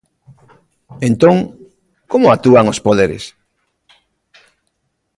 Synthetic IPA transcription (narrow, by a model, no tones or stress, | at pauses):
ẽnt̪õŋ | komoak̚t̪uaŋospoðeɾḛs